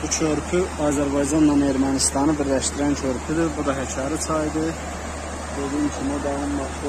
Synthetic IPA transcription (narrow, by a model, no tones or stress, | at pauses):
b̥ut͡ʃʰøɾpʰyɑːzæɾbɑjd͡ʒɑnd̪ɑne̞ɾmænist̪ɑnɯbiɾlæʃt̪iɾænt͡ʃʰøɾpʰyd̪ibud̪ɑɦæcʰɑɾɯsʰɑjd̪ɯ | bød̪imt͡ʃʰimod̪ɑunmɑt